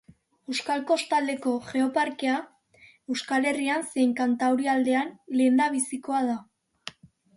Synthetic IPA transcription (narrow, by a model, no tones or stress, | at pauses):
e̞wskalko̞st̪ald̪e̞ko̞ʝe̞o̞paɾkea | e̞wskale̞rianse̞jŋkant̪awɾiald̪e̞anle̞ːnd̪aβ̞isiko̞að̞a